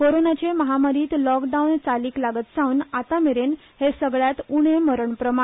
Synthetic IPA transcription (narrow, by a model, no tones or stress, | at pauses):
koɾonat͡ɕeməɦamaɾiːt̪lɔkɖaunt͡saliːklaɡət̪sãunat̪ameɾen | hesəɡɭjat̪uɳ̃eməɾəɳpɾəma